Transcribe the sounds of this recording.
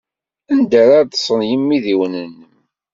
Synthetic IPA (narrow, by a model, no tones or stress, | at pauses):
ənd̪æɾaɾd̪sˤənjəmːiðiwnənːəm